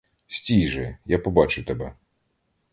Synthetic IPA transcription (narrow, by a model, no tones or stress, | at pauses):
sʲtʲiʒɛjapɔbɑt͡ʃʊt̪ɛbɛ